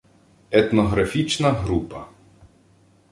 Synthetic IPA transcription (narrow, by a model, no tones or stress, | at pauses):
ɛt̪nɔɦɾɐfʲit͡ʃnɐɦɾupɐ